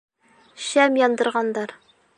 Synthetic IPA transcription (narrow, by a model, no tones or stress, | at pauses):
ɕæmjɒnd̪ɤ̆ɾʁɑnd̪ɑɾ